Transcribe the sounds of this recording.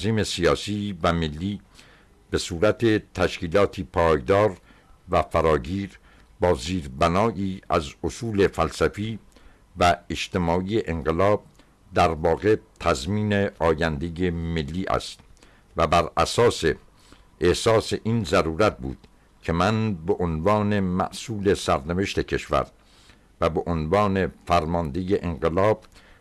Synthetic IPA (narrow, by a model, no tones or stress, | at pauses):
ziːme̞sijɒːsiːvæmelːiː | be̞suːɾæt̪ʰet̪ʰæʃkiːlɒːt̪ʰiːpʰɒːjd̪ɒːɾ | væfæɾɒːɡiːɾ | bɒːziːɾbænɒːʔiːæ̰zosuːle̞fælsæfiː | væeʃt̪e̞mɒːʔiːeʔeŋɢelɒːb̥̚ | d̪æɾvɒːɣe̞t̪ʰæzmiːneɒːjænd̪e̞jemelːiːʔæ̰st̪ | væbæɾæsɒːse | ʔehsɒːseʔiːnzæɾuːɾæt̪̚bṵːd̪̥ | cʰemænbeʔonvɑːne̞mæ̰ʔsuːle̞sæɾneve̞ʃt̪e̞cʰe̞ʃvæ̰ɾ | væbeʔonvɑːne̞fæɾmɒnd̪ejeʔeŋɢelɒːb̥̚